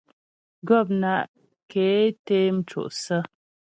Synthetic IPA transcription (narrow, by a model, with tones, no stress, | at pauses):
ɡɔ˦˨p̬̚na˦˨ʔ | ke˨˦te˦m̩˦t͡ʃo̰˨ʔsə˦